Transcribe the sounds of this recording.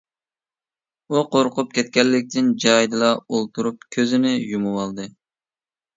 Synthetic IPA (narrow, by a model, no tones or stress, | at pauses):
uqʰoɾqʊp̚kʲʰɛt̪̚kʲɛlːɪk̚ʲt̪ʰɪnd͡ʒɑjd̪ɨlˠɑolˠt̪ʰuɾup̚kʲʰøzɪnɪjumuwɑlˠd̪ɨ